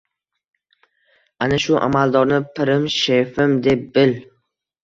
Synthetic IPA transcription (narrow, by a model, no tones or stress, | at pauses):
anaʃʊʔa̰mald̪ɒɾnɪpʰɪɾɪmʃefɪmd̪e̞p̚bɪl